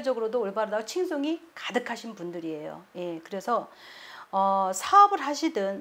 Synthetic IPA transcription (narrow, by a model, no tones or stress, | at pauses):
d͡ʑʌɡɯɾodooɭbaɾɯdaot͡ɕʰiŋsʰoŋikadɯkʰaɕʰinpundɯɾie̞jo̰je̞kɯɾe̞sʰʌ | ʌsʰaʌbɯɾɦaɕʰidɯn